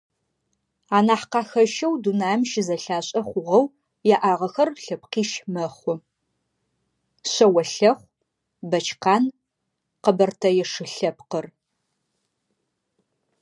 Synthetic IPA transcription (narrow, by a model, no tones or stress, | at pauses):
aːnaːħqɑːxɐʃɐwdunaːmʃɪzɐɬaːɕʼɐχʷʊʁɐw | jaʔaːʁɐxɐrɬɐp̚qiːʃmɐχʷʊ | ɕɐwɐɬɐχʷ | bɐt͡ʃʰqɑːn | qəbɐrtʰɐjɛʂɨɬɐp̚qər